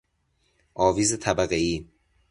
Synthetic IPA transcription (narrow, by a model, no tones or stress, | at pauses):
ʔɒːviːzet̪ʰæbæɣeiː